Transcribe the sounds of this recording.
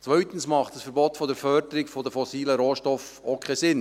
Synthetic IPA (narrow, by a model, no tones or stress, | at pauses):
t͡sʋœʏt̪ən̩smɑχtd̥əsfəɾbɔtfɔdəɾfœɾdəɾɪkfɔdəfɔsiːləɾoːʃtɔf | okʰχesɪn